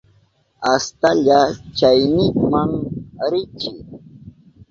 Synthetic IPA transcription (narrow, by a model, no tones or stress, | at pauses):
ast̪aʎat͡ʃajnɪŋmaŋɾɪt͡ʃɪ